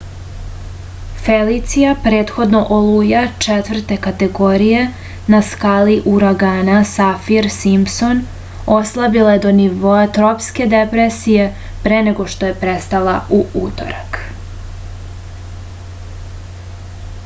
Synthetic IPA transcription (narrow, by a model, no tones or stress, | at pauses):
felit̪sijapɾe̞ːt̪xo̞d̪no̞ʔolujat͡ʂet̪vr̩t̪e̞kat̪e̞ɡo̞ɾije̞ | naskaliʔuɾaɡaːnasafiɾsimpson | o̞slˠabilˠajed̪o̞niʋo̞at̪ɾopske̞d̪epɾesije̞ | pɾeneɡo̞ʃt̪o̞jepɾest̪alauut̪o̰ɾak